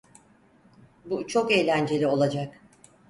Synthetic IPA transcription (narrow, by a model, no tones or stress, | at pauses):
but͡ʃʰo̞ke̞jlʲænd͡ʒe̞lʲio̞lˠad͡ʒak